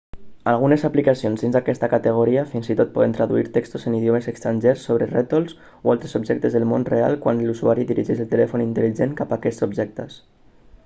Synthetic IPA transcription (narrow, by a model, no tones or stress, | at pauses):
alɣ̞unezaplikasionzðinzðakɛst̪akat̪əɣ̞uɾiafinzit̪ot̪̚pɔðent̪ɾəðuiɾt̪ekst̪uzeniðjomezəkst̪ɾanʒersːoβ̞ɾeret̪ols | ualˠt̪ɾezubʒɛk̚t̪əzðəlˠmonrea̰lˠkwanluzuaɾiðiɾiʒɛʃəlˠt̪elɛfunint̪əliʒeŋkapakɛsubʒɛk̚t̪əs